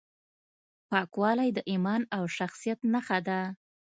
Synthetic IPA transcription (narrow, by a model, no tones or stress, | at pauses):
pɑkwɑlajd̪əʔimɑnawʃaxsijat̪naxad̪a